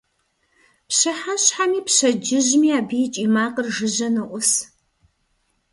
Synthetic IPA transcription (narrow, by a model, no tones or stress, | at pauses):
pɕɨħaɕħamiːpɕɐd͡ʒɪʑmiːaːbijt͡ʃʼiːmaːqərʒɨʑɐnɐʔʷʊs